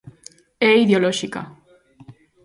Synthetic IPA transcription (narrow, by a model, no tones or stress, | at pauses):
eiðjoloʃika̰